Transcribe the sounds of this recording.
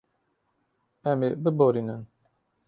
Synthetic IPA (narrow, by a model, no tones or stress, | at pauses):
ɛmebəboɾinən